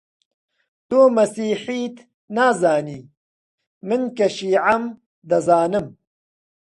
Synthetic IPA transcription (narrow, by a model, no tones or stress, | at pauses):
t̪oːmɐsiːħit̪ | naːzaːniː | mɪnkɐʃiːʕam | d̪ɐzaːnɨm